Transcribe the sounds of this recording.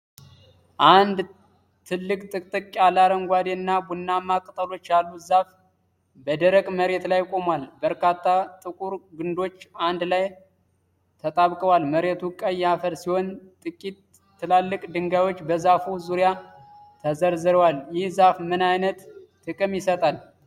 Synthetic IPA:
ʔand̪ | t̪ʰɨlːɨkʼt̪ʼɨkʼt̪ʼɨkkʼalaɾəŋɡʷad̪enːabunːamakʼɨt̪ʼəlo̞t͡ʃːjalːuzaf | bəd̪əɾəkʼməɾe̞t̪lajkʷʼo̞mwalbəɾkat̪ʰːat̪ʼɨkʼuɾɡɨnd̪o̞t͡ʃːand̪laj | t̪ʰət̪ʼaβkʼəwalməɾe̞t̪ʰukʼəjafəɾsiho̞nt̪ʼɨkʼit̪ʰː | ɨlalːɨkʼd̪ɨŋɡawo̞t͡ʃːbəzafuzuɾja | t̪ʰəzəɾzɨɾwaljɪhzafmɨnajnət̪ː | ɨkʼɨmjɪsət̪ʼal

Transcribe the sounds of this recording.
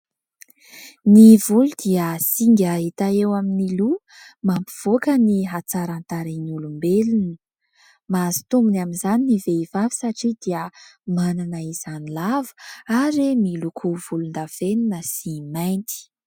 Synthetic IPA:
nivulud̪iəsiŋɡʲaɦit̪aewaminilu | mampiv̥okəniɦat͡saɾant̪aɾinulumbelunə̥ | mazi̥t̪umbunaminzaniniveivavi̥saʈ͡ʂid̪iəmananəiz̥anilavə̥aɾemilukʰuvulund̪av̥eninəsimajnt̪i̥

